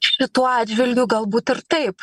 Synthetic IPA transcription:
ʃʲɪt̪uːɑːdʲd͡ʒʲʋʲɪlʲɡʲuːɡɐlˠbuːt̪ɪrt̪ɐɪp

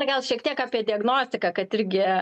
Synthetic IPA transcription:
rɡɐlˠʃʲiɛkt̪ʲiɛkaːpʲiɛdʲɪɐɡnoːsʲt̪ʲɪkɑːkɐt̪ɪɾʲɡʲɪ

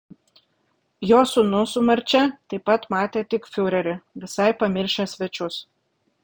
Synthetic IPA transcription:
joːsʊnʊsʊmɐɾʲt͡ʃʲɛt̪ɐɪpːɐt̪mɑːt̪ʲeːt̪ʲɪkfʲʊɾʲɛɾʲɪʋʲɪsɐɪpɐmʲɪɾʲʃʲesʲʋʲɛt͡ʃʲʊs

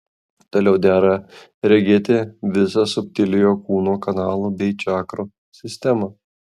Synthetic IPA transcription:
t̪oːlʲɛʊd̪ʲæːɾɐ | ɾʲɛɡʲeːt̪ʲɪʋʲɪsɐsʊpʲt̪ʲɪlʲɪjoːkuːnoːkɐnɑːlˠubʲɛɪt͡ʃʲɑːkɾo | sʲɪsʲt̪ʲɛmɐ

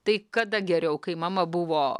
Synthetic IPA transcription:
t̪ɐɪkɐd̪ɐɡʲɛɾʲɛʊkɐɪmɑːmɐbʊʋoː

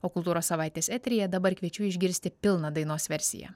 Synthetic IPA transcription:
oːkʊlˠt̪uːɾoːsːɐʋɑˑɪt̪ʲeːsɛt̪ʲɾʲɪjɛd̪ɐbɐɾkʋʲiɛt͡ʃʲʊɪʒʲɡʲɪɾʲsʲt̪ʲɪpʲɪlˠnɐd̪ɐɪnoːsʋʲɛɾʲsʲɪ̰jɛ̰ː

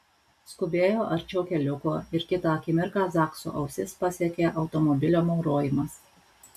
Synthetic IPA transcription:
skʊbʲeːjoːʔɐɾʲt͡ʃʲɛʊkʲɛlʲʊkoːɪɾkʲɪt̪ɑːˑɐkʲɪmʲɪɾkɑːzɑːksṵːʔɐʊsʲɪspɐsʲiɛkʲeːʔɐʊt̪ɔmɔbʲɪlʲoːmɒʊɾoːjɪmɐs

